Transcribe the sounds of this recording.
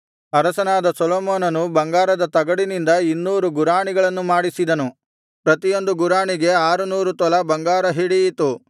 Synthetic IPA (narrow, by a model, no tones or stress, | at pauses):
ɐɾɐsɐnaːd̪ɐsɔloːmoːnɐnubɐŋɡaːɾɐd̪ɐt̪ɐɡɐɽinind̪ɐinːuːɾuɡuɾaːɳiɡɐɭɐnːumaːɽisid̪ɐnu | pɾɐt̪ijo̞nd̪uɡuɾaːɳiɡe̞aːɾunuːɾut̪ɔlɐbɐŋɡaːɾɐɦiɽijit̪u